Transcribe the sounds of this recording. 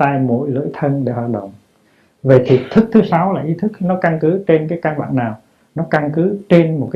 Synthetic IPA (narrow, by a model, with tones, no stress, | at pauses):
aː˧jmo̰˧˥jlɨ̰˧˥əjt̪ʰə˧nɗe˧˩hwaː˨˩t̚ɗə̰˧˨wŋ͡m | və˨˩t̪ʰi˨˩t̪ʰɨ˦˥k̚t̪ʰɨ˨˦sa˨˦wlaː˨˩ʔi˨˦t̪ʰɨ˦˥k̚nɔ˨˦ka˧nkɨ˨˦t͡ɕe˧nkaː˨˦jkaː˧nɓa̰ː˧˨nnaː˨˩w | nɔ˨˦ka˧nkɨ˨˦t͡ɕe˧nmo˨˩t̚kːa˧